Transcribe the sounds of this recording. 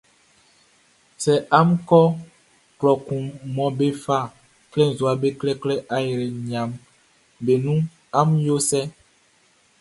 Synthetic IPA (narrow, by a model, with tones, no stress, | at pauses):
sɛ˨ʔa˦mkɔ˦ | plɔ˨ku˨mɔ˨be˦fa˦˨ | klɛ˦n˨zu˨a˨be˦klɛ˦klɛ˦ʔa˦jɾe˨ɲ˨a˨m | be˨nũ˦ | a˦mjo˦sɛ˦